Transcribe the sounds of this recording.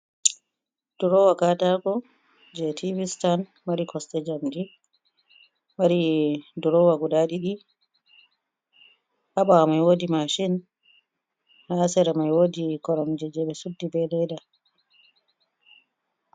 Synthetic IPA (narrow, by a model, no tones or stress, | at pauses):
d̥uɾɔwakatakɔ | d͡ʒɛtʰivistan | maɾikʰɔstɛd͡ʒamdi | maɾiduɾɔwaɡuɗaɗiɗi | ʔaɓawamajwoːdimaʃin | haːsɛɾamajwoːdikɔɾɔmd͡ʒɛd͡ʒɛɓɛsudːibɛlɛda